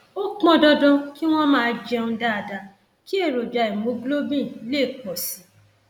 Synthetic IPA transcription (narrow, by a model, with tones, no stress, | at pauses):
o˦k͡pɔ̃˧dɔ˧dɔ̃˧ki˦w̃ɔ̃˦mãː˦˧d͡ʒɛ˧n̩ũ˧˦da˦a˧da˧ | ki˦e˦˨ɾo˨d͡ʒa˨i˨mo˨˦ɡlo˦bĩ˦˨˦le˦˨k͡pɔ˨si˨˦